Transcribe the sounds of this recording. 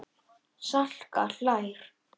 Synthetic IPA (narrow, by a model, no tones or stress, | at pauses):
sal̥ka̰ɬajɾ̥